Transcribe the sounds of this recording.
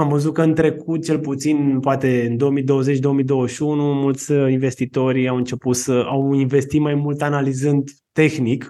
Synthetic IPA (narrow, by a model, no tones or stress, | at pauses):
amvəzut̪̚kəɨnt̪ɾe̞kut̪̚t͡ʃe̞lput̪sinpoat̪e̞ɨnd̪o̞wəmid̪o̞wəze̞t͡ʃd̪o̞omid̪o̞wəʃunumult̪sʲinve̞st̪it̪o̞rʲawɨnt͡ʃe̞put̪səawinve̞st̪it̪majmult̪analizɨnd̪ | t̪e̞xnik